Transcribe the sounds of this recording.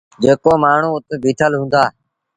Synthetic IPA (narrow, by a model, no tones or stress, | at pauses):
d͡ʒeːkoːmaːɳ̤ũːʊt̪ːbʱiːt̪ʰəlɦũːnd̪aː